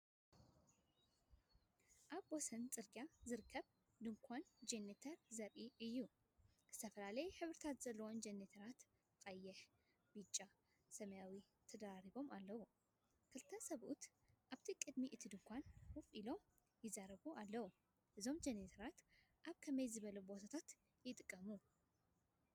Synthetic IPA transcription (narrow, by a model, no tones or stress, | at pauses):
ʔaβbosɐnt͡sʼɨɾɡazɨɾɨkʰːɐβ | d̪ɨŋkʷʰand͡ʒenet̪ʰɐɾzɐβʔiɨjːu | kɨz̥ɨ̥t̪ʰɐfɐlalɐjɛħɨβɾɨt̪ʰat̪z̥ɐlːɐwo̞nd͡ʒenet̪ʰɐɾat̪ | kʼɐjːɛħ | b̥ɨt͡ʃʼːa | sɐmɐjawi | t̪ʰɐd̪ɐɾaɾiβo̞malːɐwu | kʰɨlt̪ʰɐsɐβʔṵt̪ | ʔaβt̪ʰikʼɨd̪miʔɨt̪ʰid̪ɨŋkʷʰanhʊfʼʔilo̞ | jɪzaɾɐβuʔalːɐwu | ʔɨzo̞md͡ʒenet̪ʰɐɾat̪ | ʔaβkʰɐmɐjzɨβɐlubo̞t̪ʰat̪ʰat̪ | jɪt̪ʼɨkʼːɐmu